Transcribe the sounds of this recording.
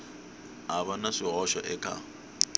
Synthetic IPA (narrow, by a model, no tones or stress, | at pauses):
aβanaʂiɦɔʃɔ̰ʔɛkʼa̰